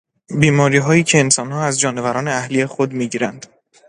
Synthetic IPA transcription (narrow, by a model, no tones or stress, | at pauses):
biːmɒːɾiːɦɒːjiːcʰeːnsɒːnhɒːæzd͡ʒɒːne̞væɾɒːneæhlijexod̪miːɟiːɾænd̪̥